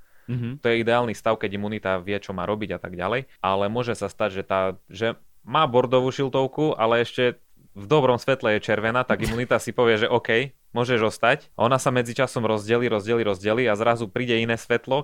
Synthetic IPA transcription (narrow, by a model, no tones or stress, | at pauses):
t̪ɔjɛid̪ɛaːlnist̪aʊkɛɟimunit̪aʋɪɛt͡ʃɔma̰ːɾɔbiɟat̪aɡɟa̰lɛjʔalɛmʊɔʒɛsast̪aɟʒɛt̪aːʒɛ | maːbɔɾd̪ɔʋuːʃilt̪ɔʊkuʔa̰lɛɛʃcɛ | vd̪ɔbɾɔmsʋɛt̪lɛjɛt͡ʃɛɾʋɛnaːt̪aɡimunit̪asipɔʋɪɛʒɛʔɔkɛj | mʊɔʒɛʒɔst̪acʔɔnasamɛd͡zit͡ʃasɔmɾɔzɟɛliːɾɔzɟɛliːɾɔzɟɛliːazɾazupɾiːɟɛinɛːsʋɛt̪lɔ